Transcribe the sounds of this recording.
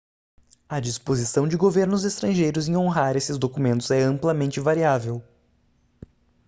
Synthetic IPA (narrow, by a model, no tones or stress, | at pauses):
ɐd͡ʒispozisɐ̃w̃d͡ʒɪɡoveɾnʊzest̪ɾɐ̃ʒejɾʊzẽj̃õɦaɾesɪzd̪okumẽnt̪ʊzɛɐ̃mplɐmẽnt͡ʃɪvaɾiavew